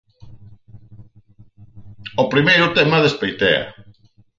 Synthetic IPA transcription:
opɾimejɾʊt̪emaðespejt̪ḛa̰

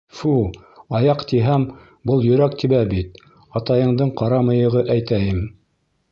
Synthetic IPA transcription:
fuɑjɑqt̪iɦæm | bɤlˠjɵ̆ɾæk̚t̪iβæbit̪̚ | ɑt̪ɑjɤ̆ɴd̪ɤɴqɑɾɑmɤ̆jɤ̆ʁɤʔæjt̪æjɘm

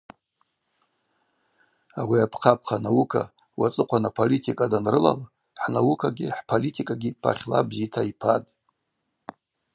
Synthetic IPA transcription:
awiapʰqʰap̚ʰχʰanawukʰa̰ | wat͡sʼɨqʷʰanapʰolitʰikʼadanrɨla̰la | ħnawukʰaɡʲiħpʰolitʰikʼaɡʲipʰa̰χʲla̰bzitʰaipʰadʼ

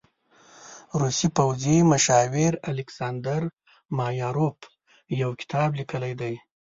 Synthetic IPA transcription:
ɾusipawzimʊʃɑwɪɾalɪksɑnd̪aɾ | mɑjɑɾop | jawkɪ̥t̪ʰɑblikəlajd̪aj

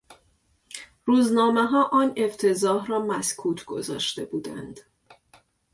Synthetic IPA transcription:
ruːznɒːmeɦɒːʔɒːne̞ft̪ʰezɒːɦrɒːmæskʰuːt̪ʰɡ̥o̞̰zɒ̰ːʃt̪e̞buːd̪æ̰nd̪̥

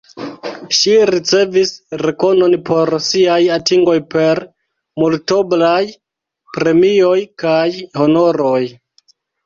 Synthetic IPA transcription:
ʃiɾit͡se̞visɾe̞ko̞no̞npʰo̞ɾsiajatiŋɡo̞jpe̞ɾ | multo̞blaj | pɾe̞mio̞jkajho̞no̞ɾoj

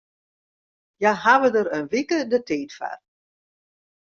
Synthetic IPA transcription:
jaɦaʋədəɾənʋikədəteːtfa̰r

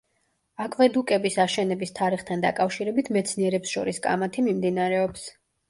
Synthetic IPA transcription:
akʼvɛd̪ukʼɛbisaʃɛnɛbist̪ʰaɾiχt̪ʰand̪a̰kʼafʃiɾɛbit̪ʰmɛt̪sʰniɛɾɛpsʃɔ̰ɾiskʼa̰mat̪ʰimimd̪inaɾɛɔps

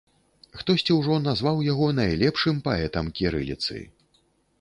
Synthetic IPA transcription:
xt̪ɔsʲt͡sʲiwʐɔnazvawjaɣɔnajlʲɛpʂɨmpaɛt̪ɐmkʲiɾɨ̰lʲit̪sɨ̰

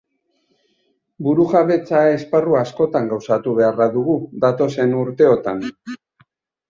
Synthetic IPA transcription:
buɾuɣaβe̞t͡saesparuaːsko̞t̪aŋɡawsat̪uβ̞e̞araðuɣuðat̪o̞se̞nuɾt̪e̞o̞t̪an

